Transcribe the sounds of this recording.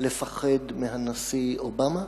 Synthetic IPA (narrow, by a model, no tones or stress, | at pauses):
le̞faχedmeɦanasiobama